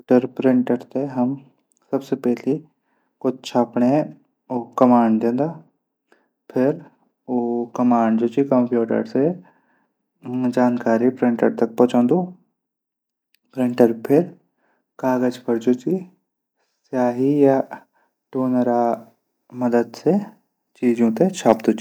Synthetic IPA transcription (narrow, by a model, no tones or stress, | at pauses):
ʈəɾpɾɪ̃ɳʈəɾt̪eɦɐm | sɐbsepɛːli | kʊt͡ʃʰapɳe | okɐmaːɳɖd̪ẽːnd̪aː | pʰɪɾ | oːkɐmaːɳɖd͡ʒoːt͡ʃikəmpjuːʈə̰ɾse | d͡ʒaːnkaːɾipɾɪ̃ɳʈə̰ɾt̪ɐk̚pɔ̃ːt͡ʃãːnd̪oː | pɾɪ̃ɳʈəɾpʰɪɾ | kaːɡəd͡ʒkəɾd͡ʒoːt͡ʃi | sjaːɦija | ʈoːnəɾaː | məd̪əd̪se | t͡ʃiːd͡ʒõt̪eʃʰaːpd̪oːt͡ʃi̥